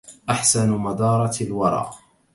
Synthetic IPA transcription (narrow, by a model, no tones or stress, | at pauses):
ʔaħsanmad̪ɑːɾˤɑlwɑɾˤɑ̰ːʔ